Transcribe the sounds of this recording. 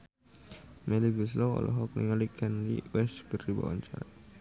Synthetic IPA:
mʔɛliɡus̬lɔɔ̰lɔɦɔk̚nḭŋalikʰɛnlḭwɛskərdiba̰wa̰ɲt͡ʃaɾa

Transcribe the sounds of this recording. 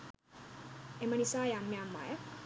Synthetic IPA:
emənisaːjamːeamːa̰jə

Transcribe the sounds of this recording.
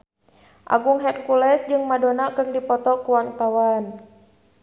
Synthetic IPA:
ʔa̰ɡuŋɦɛt̪̚kulɛsd͡ʒɨŋmadonakɨrdipɔt̪ɔkuwaŋt̪awan

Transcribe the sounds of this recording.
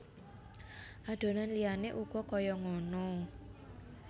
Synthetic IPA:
ʔaɖ̥o̤nanlijaneʔuɡ̥ɔkɔjɔŋɔnɔ

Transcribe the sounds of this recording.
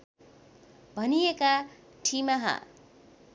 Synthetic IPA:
bʱʌnijeka | ʈʰimaɦa̰

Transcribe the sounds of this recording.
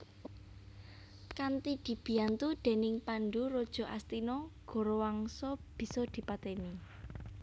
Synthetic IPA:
kant̪id̪̥i̤b̥i̤jant̪ud̪̥e̤nɪŋpanɖurod̥ʒ̥ɔ̤ʔa̰st̪inɔɡ̥ɔ̤ɾowaŋsɔb̥i̤sɔd̪̥i̤pat̪eni

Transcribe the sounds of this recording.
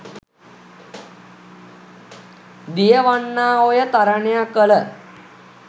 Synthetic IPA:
d̪ijəʋaɳːaːojət̪aɾaɳejakələ

